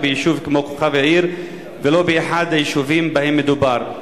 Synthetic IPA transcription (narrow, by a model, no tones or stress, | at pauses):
bejiʃuvkemo̞koχavjaʕiɾ | velo̞beeħad̪hajiʃuvimbahemːed̪ubaʁ